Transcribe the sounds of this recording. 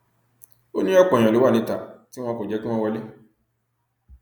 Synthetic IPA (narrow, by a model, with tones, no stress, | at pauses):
o˦nĩ˦ɔ˦k͡pɔ̃˨ã˨lo˦wa˦˨nĩ˨˦ta˨ti˦w̃ɔ̃˧ko˨d͡ʒɛ˨˦ki˦w̃ɔ̃˧wɔ˧le˦